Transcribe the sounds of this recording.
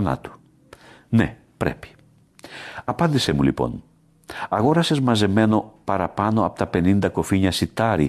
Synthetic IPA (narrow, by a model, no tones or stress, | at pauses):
na̰t̪u̥ | ne | pɾɛ̰pi̥ | apand̪isemulḭpo̰n | aɣoɾasezmazemenopaɾapanoap̚t̪apenind̪akofiɲasit̪aɾi